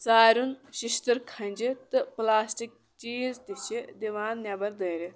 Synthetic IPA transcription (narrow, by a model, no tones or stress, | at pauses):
t͡saːɾunʃiʃt̪ɨɾkʰɐnʲd͡ʒit̪ɨplaːsʈik̚ | t͡ʃiːzt̪it͡ʃʰid̪iʋaːnːʲɐbɐɾd̪əːɾi